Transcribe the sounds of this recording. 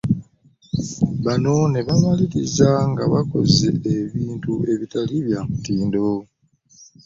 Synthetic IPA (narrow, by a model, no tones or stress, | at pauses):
βano̞ne̞βamaliɾizaŋɡaβako̞̰zeeβiːntue̞βitaliβjamutiːndo